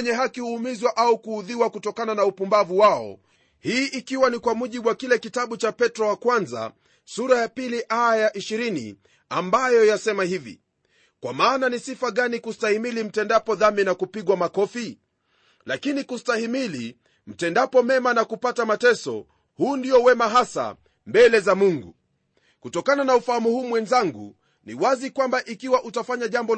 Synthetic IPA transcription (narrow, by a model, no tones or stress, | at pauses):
ɲɛɦakihuːmizwaʔaukuːðiwakutɔkananaupumbavuwaɔ̰ | hiːʔikiwanikwamuʄiɓuwakilɛkitaɓut͡ʃapɛtɾɔwakwanza̰ | suɾajapiliʔajaʔiʃiɾinḭ | ambajɔjasɛmahivḭ | kwamaːnanisifaɠanikustahimilim̩tɛndapɔðaminakupiɠwamakɔfi | lakinikustahimili | m̩tɛndapɔmɛmanakupatamatɛsɔ̰ | huːndijɔwɛmaɦasa̰ | mbɛlɛzamuŋɡṵ | kutɔkananaufahamuhuːmwɛnzaŋɡṵ | nḭwazikwambaʔikiwaʔutafaɲaʄambɔ